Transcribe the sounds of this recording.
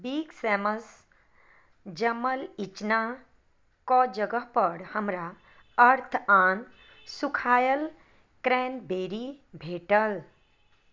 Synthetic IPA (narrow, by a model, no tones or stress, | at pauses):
biːɡsɛːməs | d͡ʒəməlit͡ʃna | kɔd͡ʒəɡəɦpəɽhəmɾa | əɾt̪ʰaːn | sukʰaːjəl | kɾɛːnbeːɾibʱeːʈəl